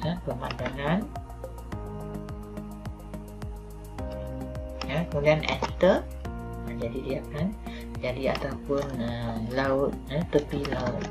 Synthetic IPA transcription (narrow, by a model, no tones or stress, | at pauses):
əpəmãndaŋan | jakəmudianʔɛ̰nt̪ə | əd͡ʒadidiakan | d͡ʒadia̰t̪aupʊnəlaʊt̪̚jət̪əpilaʊt̪̚